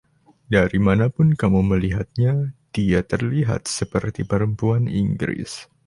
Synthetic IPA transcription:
daɾimanapʊnkamuməliɦat̪̚ɲad̥iat̪ərliɦa̰t̪̚səpərt̪ipəɾəmpuaniŋɡɾɪ̰s

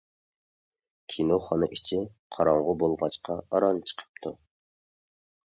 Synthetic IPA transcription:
kʲʰinoχɑnɨ̰ʔit͡ʃʰɪ | qʰɑɾɑɴʁʊbolˠʁɑt͡ʃqʰɑɑɾɑnt͡ʃʰə̥qʰə̥p̚t̪ʰu

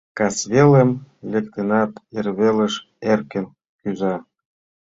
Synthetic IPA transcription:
kɑsβelemlek̚t̪enɑt̪erβelə̆ʃ | erkə̆n | kyzɑ

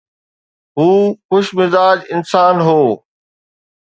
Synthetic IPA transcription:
ɦuːxʊʃmɪzaːd͡ʑɪnsaːnɦoː

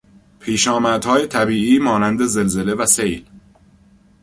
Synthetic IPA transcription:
pʰiːʃɒːmæd̪hɒːje̞t̪ʰæbiːʔiːmɒːnænd̪eze̞lze̞le̞væsejl

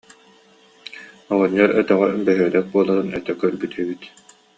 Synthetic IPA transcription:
ɔʁɔɲːɔɾœt̪œʁɛbɛɦœd̪ɛk̚buɔlˠaɾɯnɛ̰t̪ɛkœɾbyt̪ɛbit̪

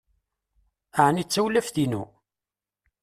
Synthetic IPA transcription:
aʕnit͡sːæwlːæfθinu

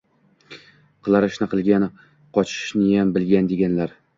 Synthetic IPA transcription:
qʰɨlˠaɾɪʃnɪqʰɨlˠɡʲan | qʰɒt͡ʃʰɪ̥ʃnɪjambɪlɡʲand̪e̞ɡʲanlaɾ

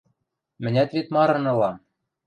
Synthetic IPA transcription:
mɘ̆nʲæt̪βet̪mɑɾɤ̆nɤ̆lɑm

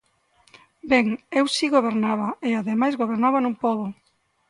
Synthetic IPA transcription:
beŋewsiɣoβ̞eɾnaβɐeaðemajzɣoβ̞eɾnaβanũŋpoβʊ

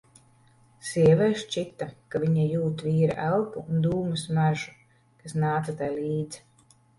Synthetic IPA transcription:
siɛvɛːʃt͡ʃit̪akaviɲajuːt̪viːɾa̰ʔælˠpuːnd̪uːmusmæʒu | kasnaːt̪at̪ajlʲiːd̪z̥

